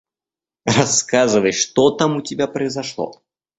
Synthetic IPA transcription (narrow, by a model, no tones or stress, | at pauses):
rɐskazɨvəjʂt̪ot̪amʊtʲɪbʲapɾəɪzɐʂlˠo̰